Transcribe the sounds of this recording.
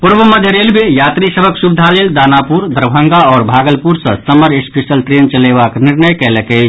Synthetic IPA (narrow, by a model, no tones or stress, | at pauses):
puɾbəməd̪ʱjəɾelbʱejat̪ɾisəbʱəksubid̪ʱaleld̪anapuɾd̪ʱəɾbʱəŋɡaɔːɾbʱaɡəlpuɾsə̃səməɾespesəlʈɾent͡ʃəlebakniɾnəjkɛləkəɪt͡ʃʰ